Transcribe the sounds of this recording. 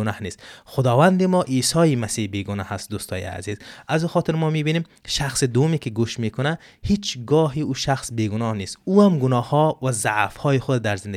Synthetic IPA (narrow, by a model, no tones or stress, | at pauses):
nahnest̪χʊd̪ɔvand̪imɔʔisɔimasihbeɡunahast̪̚d̪ust̪ɔ̰jḭa̰zizazuχɔt̪ʰiɾmɔmibinem | ʃaχsid̪uumikiɡuʃmekʰunahit͡ʃʰɡɔːɦiuʃaχsbeɡunɔhnest̪uamɡunɔhhɔvazaʕfhɔjiχud̪d̪aɾzind̪